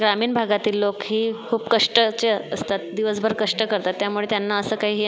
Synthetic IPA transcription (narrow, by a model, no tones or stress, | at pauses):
ɡɾamiːɳbʱaɡat̪iːlːokɦiːkʰuːbkəʂʈət͡ɕeəəst̪at̪̚d̪iʋəs̬bʱəɾkəʂʈəkəɾt̪at̪ːjamuɭet̪janːaəsəːkaɦiːɦiː